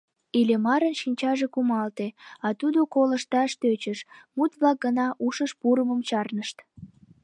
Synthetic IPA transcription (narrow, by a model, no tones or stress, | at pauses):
ilemɑɾənʃinʲt͡ɕɑʒekumɑlt̪eɑt̪ud̪okoləʃt̪ɑʃt̪øt͡ɕəʃmut̪βlɑk̚ɡənɑʔuʃəʃpuɾəməmt͡ɕɑrnəʃt̪